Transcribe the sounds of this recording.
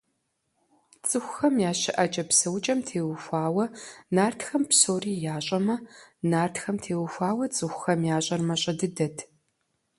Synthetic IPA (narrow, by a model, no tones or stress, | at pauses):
t͡sʼɨxʷxɐmjaːɕɪʔɐt͡ʃʼɐpsɐwt͡ʃʼɐmtʰeːwʊxʷaːwɐnaːrtʰxɐmpsoːriːjaːɕʼɐmɐnaːrtxɐmtʰeːwʊxʷaːwɐt͡sʼɨxʷxɐmjaːɕʼɐrmɐɕʼɐdɨdɐtʰ